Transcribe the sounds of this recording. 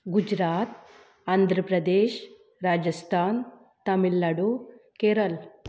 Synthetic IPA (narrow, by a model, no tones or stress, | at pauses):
ɡud͡ʒɾaːt̪ | aːnd̪ʱɾəpɾɐd̪eːʃ | ɾaːd͡ʒɐst̪ʰaːn | t̪ɐmilːaɽukeːɾɐl